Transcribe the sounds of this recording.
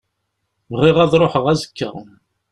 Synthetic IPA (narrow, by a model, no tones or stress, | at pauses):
vərˤːɪʁæðˤɾˤoħəʁæzə̥kːə̰ʁ